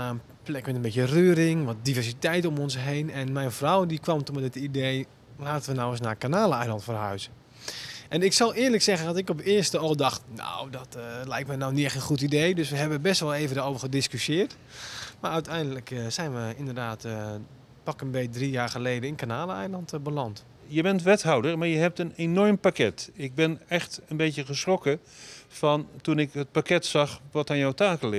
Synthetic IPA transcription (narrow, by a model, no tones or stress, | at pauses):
aən | plɛkmɛtənbetjərøːɾɪŋʋɔt̚divɛrsitɛjtomɔnsɦejnɛnmɛjnfrɔwdikʋɔmtunmɛdɪtidej | laːtənʋənawəs̬nakanaːləɛjlˠɑntfərɦœɥzə | ʔɛnɪksɔlˠɪːɹləksɛɣəndɔtɪkɔpɪərstəɔlˠdɑxtnao̰wdɔtlɛjk̚tmɛjnawnɪxənχutidejdøsʋəɦɛbəbɛstʋɔlˠeːvəndaːoːvərxədɪskysjɪːrt | maːœɥtɛjndələksɛjnʋəɪndərdaːt | pɑkənbejdrijaːɹχəlejdəɪnkanaːləɛjlɑntbəlɑnt | jəbɛntʋɛtɦawdərmaɹjəɦɛp̚tənenɔɹmpakɛtɪɡ̚bɪnɛxtənbejtjəχəsrokə | fɔntunɪkɦət̚pakɛtsɑχʋɔtaːnjɔwtaːkəlɪ